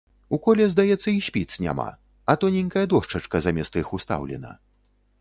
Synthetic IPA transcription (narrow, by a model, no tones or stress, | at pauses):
ukɔlʲɛzd̪ajɛt̪sːɐiɕʲpʲit̪snʲa̰ma̰ | ɐt̪ɔnʲiŋʲkɐjɐd̪ɔʂt͡ʂɐt͡ʂkɐzamʲɛst̪ɐixust̪a̰wlʲɛ̰nɐ̰